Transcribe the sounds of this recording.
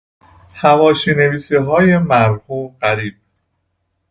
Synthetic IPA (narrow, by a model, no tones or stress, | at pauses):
hævɒːʃiːne̞viːsiɦɒːjemæɾhuːmɢæɾiːb̥̚